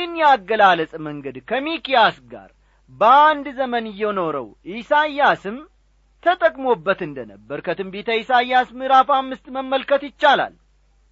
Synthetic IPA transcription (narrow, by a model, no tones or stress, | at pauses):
ɨnjɛaɡːəlaləsʼməŋɡəd̪kʰəmikijasɡa̰ɾ | bəand̪zəmənɨjːɛno̞ɾə̰wʔisajːasɨm | t̪ʰət̪ʼəkʼmo̞bːət̪ɨnd̪ənəbːəɾkʰət̪ɨmbet̪ʰəisajːasmɨɾafamːɨst̪məmːəlkət̪jɪt͡ʃːala̰l